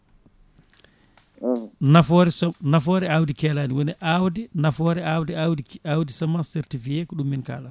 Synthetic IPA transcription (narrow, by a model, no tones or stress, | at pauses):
nafɔɾɛnafɔːɾɛawdikɛːlaːniwɔnɛʔawdinafɔːɾɛawdiawdawdisamasɛɾtifijɛkɔɗumːinka̰ːla